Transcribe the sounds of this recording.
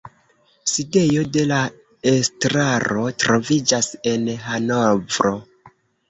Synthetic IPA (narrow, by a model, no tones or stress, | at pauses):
side̞jo̞de̞la | estɾaɾo̞tɾo̞vid͡ʒase̞nɦanovɾo̞